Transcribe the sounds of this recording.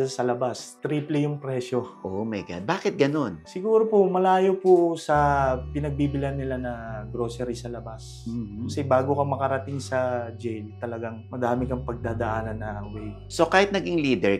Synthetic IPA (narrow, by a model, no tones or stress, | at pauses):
sɐlɐbast̪ɾiːplɛjʊŋpɾɛʃo̞ʔomɐjɡa̰d̪̚baːkɪt̪̚ɡɐno̞nsɪɡuːɾopomɐlaːjopʊsɐpɪnɐɡ̚biːbɪlanːɪlanɐɡɾo̞ːsɛɾisɐlɐbas | m̩ːʊsɛbaːɡokɐmɐkɐɾɐt̪ɪŋsɐd͡ʒɛjlt̪ɐlɐɡaŋmɐd̪aːmɪkɐŋpɐɡ̚d̪aːd̪ɐʔaːnɐnːɐwɛj | so̞kaːhɪt̪nɐɡɪŋliːd̪ɛɹ